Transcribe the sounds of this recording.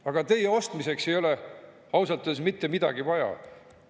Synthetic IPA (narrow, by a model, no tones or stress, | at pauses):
ɑɡ̥ɑt̪e̞jeo̞st̪mise̞kse̞jo̞le | ɑwsɑt̪ːˑu̥es̬mit̪ːe̞mid̪̥ɑ̰ɡ̥ivɑjɑ̰